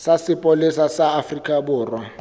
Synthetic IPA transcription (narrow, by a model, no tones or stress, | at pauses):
sasɪpʼʊlɪsasaːfrikʼabʊːrwa